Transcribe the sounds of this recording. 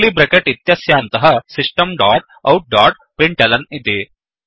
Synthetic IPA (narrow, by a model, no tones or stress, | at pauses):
liːbɾekeʈit̪jɐsjant̪ɐɦɐsiʂʈəmɖaʈ̚ɐwʈ̚ɖɔːʈ̚ | pɾiɳʈɐlɐnit̪e